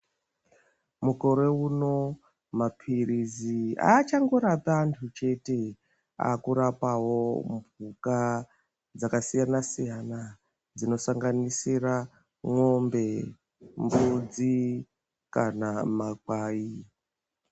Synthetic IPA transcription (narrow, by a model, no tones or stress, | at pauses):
muko̞ɾe̞uno̞ | mapʰirizia̰t͡ʃaŋɡo̞ɾatantʰut͡ʃe̞te̞ | a̰kuɾapawo̞mbʱuka | d͡zakasijanasijana | d͡zino̞saŋɡanisira | ŋwombe̞ | mbud͡zi | kanamak̚waːi